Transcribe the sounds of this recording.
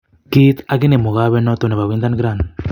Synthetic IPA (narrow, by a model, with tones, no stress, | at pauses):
ki˦t̪a˦k̬e˦ne˨mu˨ɣaβe˦no˦t̪o˨ne˨βa˨wi˦nd̪a˦nɡɾan